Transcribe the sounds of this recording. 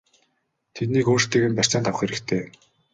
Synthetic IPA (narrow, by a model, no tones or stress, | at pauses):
t̪ʰet̪niːkoːrt̪eːɣɘ̆mpær̥ʲt͡saːnt̪ʰawə̆χxeɾɘ̆kt̪ʰeː